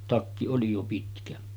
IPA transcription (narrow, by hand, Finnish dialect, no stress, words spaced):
tɑkːi oli jo pitkæ